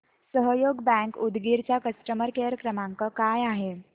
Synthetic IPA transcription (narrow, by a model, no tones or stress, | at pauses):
səɦəjoɡbæ̃ŋkud̪ɡiɾt͡ɕjakəsʈəməɾkeɾəkɾəmaŋkəkajaɦe